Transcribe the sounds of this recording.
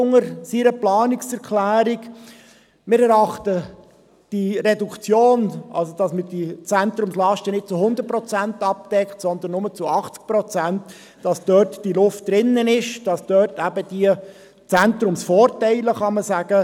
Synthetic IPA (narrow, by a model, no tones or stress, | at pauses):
ʊŋəɾsiɾəplɑːnɪksɛɾkʰlæːɾɪɡ | mɪɾɛɾɑχtə | d̥iɾɛdukt͡sjoːnʔɑ̰lsod̥ɑsməd̥it͡sæntɾʊmslɑʃtənɪt̚t͡sʊhʊnd̪ət̚pɾɔt͡sæntɑp̚d̥ɛkχtsɔnd̪ənːʊmət͡suɑχt͡sk̚pɾɔt͡sænt | d̥ɑsd̥œːɾtd̥ilʊft̚d̥ɾɪnːənɪʃd̥ɑsd̥œːtæbəd̥iə | t͡sæntɾʊmsfɔːɾtæɪləχɑməsæːɡ̥ə